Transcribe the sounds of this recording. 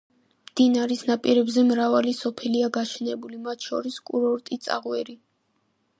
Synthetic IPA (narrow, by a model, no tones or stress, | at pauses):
md̪̥inaɾisnapʼiɾɛbzɛmɾavalisɔpʰɛliaɡaʃɛnɛbulimat̪ʰʃɔ̰ɾiskʼuɾɔɾt̪ʼit̪sʼa̰ʁwɛɾi